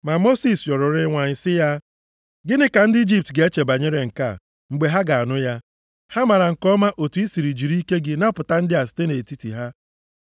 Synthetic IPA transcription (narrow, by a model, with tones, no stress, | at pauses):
ma˨mo˦si˨sjɔ˨ɾʊ˨ɾɪ˦ŋʷa˨ɲɪ˨sɪ˦ja˦ | ɡɪ˦nɪ˦ka˨n̩˦dɪ˦i˦d͡ʒi˦p̚tɡe˨˦e˦t͡ʃe˨ba˨ɲe˦ɾe˨ŋ̩˨ka̰˦˨ | ŋ͡m̩˨ɡ͡be˨ɦa˦ɡa˨a˨nʊ˦ja˦ | ha˦ma˨ɾa˨ŋ̩˨kɔ˦ma˦ʔo˨tu˨i˦si˨ɾi˨d͡ʒi˨ɾi˦ke˦ɡɪ˦na˦pʊ˨ta˦n̩˦dɪ˦a˨sɪ̥˨˦te˦ne˨ti˦ti˨ɦa˦